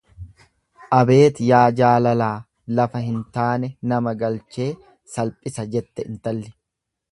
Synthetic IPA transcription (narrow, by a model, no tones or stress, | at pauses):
ʔɐbe̞ːt̪jaːd͡ʒaːlɐlaː | lɐfɐhɪnt̪aːnɛnɐmɐɡɐlt͡ʃe̞ː | sɐlpʼɪsɐd͡ʒɛt̪ːɛʔɪnt̪ɐlːɪ̥